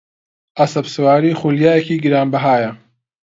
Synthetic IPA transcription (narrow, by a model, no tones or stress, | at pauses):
ʔɐsɐbsɨwaːɾiːxuljaːjɛkiːɡɨɾaːnbɐɦaːjɐ